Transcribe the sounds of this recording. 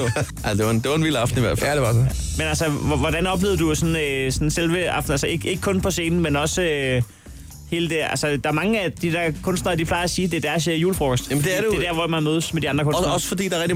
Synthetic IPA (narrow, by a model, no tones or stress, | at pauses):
æsdeʋɑend̥e̝ʋɑ̈enʋil̰ɑ̈fd̥n̩iʋæɐffdeʋɑs | menælsəʋɒɾ̥ænɒ̽b̥le̝ːðˠɐd̥usɒ̽nøsɒ̽n̩selʋəɑ̈fd̥̩ælsəe̝ɡ̥ʔe̝ɡ̥kʰɔ̽npʰɒ̽se̝ːnn̩menɒ̽sø | he̝ːləd̥eælsəd̥ɑ̈æɐmɑ̈ŋəæd̥id̥æɐkʰɔ̽nsd̥nɐɐd̥iflɑ̈ɪæsiːd̥e̝æɐd̥æɐsøjuːləfʁɒ̰ːɡ̥ɒsd̥md̥eɐdeded̥æɐʋɒmænmøːð̞ˠəsmed̥iɑnd̥ʁɐkʰɔnsnɒ̽sə̥fɒd̥ḭːd̥ɑʁɛɡ̚di